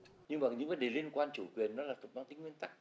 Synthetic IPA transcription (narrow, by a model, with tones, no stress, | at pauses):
ɲɨ˧ŋmaː˨˩ɲɨ̰˧˥ŋvə˨˦nɗe˨˩li˧ənkwaː˧nt͡ɕu˧˩kwi˨˩ənːɔ˨˦laː˨˩fə˨˩t̚ɓaː˧wt̪ï˨˦ŋ̟wi˧ənt̪a˦˥k̚